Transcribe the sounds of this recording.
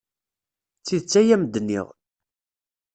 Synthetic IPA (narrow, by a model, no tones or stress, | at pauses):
t͡sːiðət͡sːæjæməd̪ənːḭʁ